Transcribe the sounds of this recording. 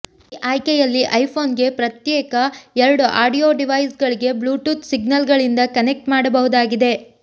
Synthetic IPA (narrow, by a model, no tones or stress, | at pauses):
iʔaːjkɛjɐlːiʔɐjpʰo̞ːnɡe̞pɾɐt̪jɛːkɐɛɾɐɽuʔaːɖijoːɖiʋɐjsɡɐɭiɡe̞bluːʈuːt̪siɡnɐlɡɐɭind̪ɐkɐnek̚ʈmaːɽɐbɐɦud̪aːɡid̪e̞